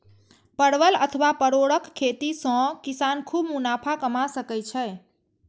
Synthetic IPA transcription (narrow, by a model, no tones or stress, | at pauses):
pəɽʋələt̪ʰəʋapəɽoɽəkʰːet̪isə̃kisankʰubmunapʰakəmasəkɛt͡ʃʰɛ